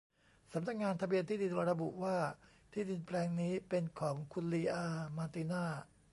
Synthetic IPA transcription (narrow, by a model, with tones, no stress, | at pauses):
sa˩˦mna˦k̚ŋaː˧nt̪ʰa˧bi˧ənt̪ʰiː˥˩di˧n˧ɾa˧bu˨˩ʔwaː˥˩ | t̪ʰiː˥˩di˧npʰlɛː˧ŋniː˦˥pe˧nkʰɔː˩˦ŋkʰu˧nliː˧ʔaː˧maː˧t̪iː˧naː˥˩